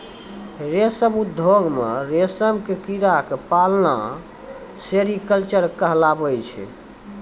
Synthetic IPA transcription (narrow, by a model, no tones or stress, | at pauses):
ɾesəmud̪ʱoɡmḛɾesəmkekiɾakepalna̰ | seɾikəlt͡ʃəɾkəɦlabəjt͡ʃʰɛ̰